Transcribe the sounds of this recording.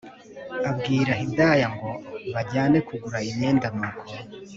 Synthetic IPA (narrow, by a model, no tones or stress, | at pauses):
abɡiːɾaɦindajaŋɡo̞βaɟaːne̞kuɡuɾaiɲe̞ːndamakʰo